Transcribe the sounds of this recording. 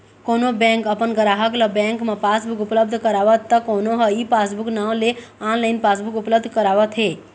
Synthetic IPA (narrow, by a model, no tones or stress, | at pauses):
konobɛ̃ŋkəpənɡəɾaɦəkləbɛ̃ŋkmãpasbukʊpləb̚d̪ʱkəɾaʋət̪ːəkonoɦəipasbuknaleãnlainpasbukʊpləb̚d̪ʱkəɾaʋət̪ʰɦe